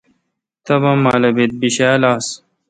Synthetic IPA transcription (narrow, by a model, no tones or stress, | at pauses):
t̪ɐbɐmːaːlɐbit̪̚biɕaːlaːs